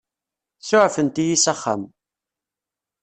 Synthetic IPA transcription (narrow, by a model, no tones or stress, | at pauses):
sʊʕfənt̪ijisaχːa̰m